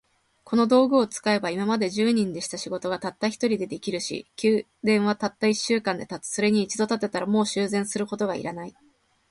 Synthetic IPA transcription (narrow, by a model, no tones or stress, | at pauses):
kʰo̞no̞d̪o̞ːɡɯ̟o̞t͡sɨ̥kae̞baimamad̪e̞ʑɨːɲ̟ĩnd̪e̞ɕi̥t̪aɕiɡo̞t̪o̞ɡat̪at̪ːaçʲi̥t̪o̞ɾʲid̪e̞d̪e̞kʲiɾɯ̟ɕḭkʲɨː | d̪ẽ̞ɰ̃βat̪at̪ːaiɕːɨːkãnd̪e̞t̪at͡sɨ̥so̞ɾe̞ɲ̟iːt͡ɕid̪o̞t̪at̪ːe̞t̪aɾamo̞ːɕɨːzẽ̞ɰ̃sɨɾɯ̟ko̞t̪o̞ɡaḭɾanai